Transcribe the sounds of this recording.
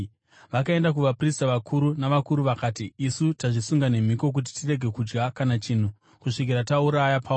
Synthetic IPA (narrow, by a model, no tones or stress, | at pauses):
ʋakae̞ndak̬uʋapristaʋakʰuɾunaʋakuɾuʋakaːtiːsutaʐisuŋɡane̞m̤iko̞k̬ut̬i̥tire̞ɡʱe̞kud͡ʒɡakanat͡ʃiːn̤u | kuʂik̬iɾatauɾajapʰa